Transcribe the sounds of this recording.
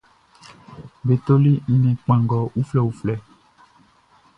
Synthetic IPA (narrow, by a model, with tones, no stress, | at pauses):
be˨t̪o˦li˦n̩˦nɛ̃˨k͡pã˨ŋɡɔ˨wu˦flɛ˦wu˨flɛ˦